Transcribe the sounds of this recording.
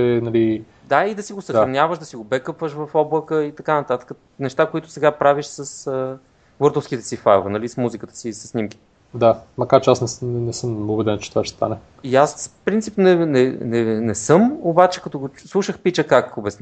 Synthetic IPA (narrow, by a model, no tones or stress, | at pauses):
ɛnɐli | d̪aid̪ɐsiɡosəxɾɐnʲavəʃd̪ɐsiɡobɛkɤpvəʃvɐfɔblˠəkəit̪ɐkanɐt̪at̪ə̥kə | nɛʃt̪akoit̪ʊsɛɡapɾaviʃsəsə | vɤɾt̪ʊfskit̪ɛ̥sifajvənɐlismuzikət̪ə̥siːsɐ̥sːnimki̥t̪ | d̪amɐkaɾt͡ʃɛasnɛsnɛnɛsɤmʊbɛd̪ɛnt͡ʃɛt̪ovaʃɛ̥st̪a̰nɛ | iaspɾint̪sipnɛnɛnɛnɛsɤmobat͡ʃɛ̥kɐt̪ɔɡoslˠuʃəxpit͡ʃəkakobɛsn